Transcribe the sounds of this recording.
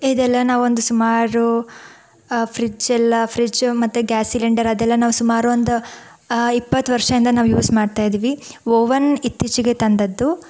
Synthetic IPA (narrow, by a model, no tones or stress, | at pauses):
id̪ɛlːɐnaːʋuond̪usumaːɾu | pʰɾid͡ʒɛlːɐpʰɾid͡ʒmɐt̪ːuɡæːsiliɳɖɐɾɐd̪ɛlːɐnaːʋusumaːɾuond̪u | ipːɐt̪ːʋɐɾʂɐind̪ɐnaːʋujuːsmaːɖt̪aːjd̪iːʋioːʋɐnit̪ːit͡ʃiɡe̞t̪ɐnd̪ɐd̪ːu